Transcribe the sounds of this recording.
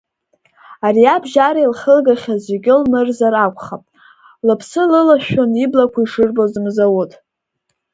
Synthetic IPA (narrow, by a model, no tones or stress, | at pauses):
ariabʒaɾailχəlɡaχʲazʷeɡʲɪlmɨrzarakʷʼʰχapʼ | lɨpʰsɨlɨlaʃᶣoniblakʷʰaiʂɨrbozɨmzawutʼ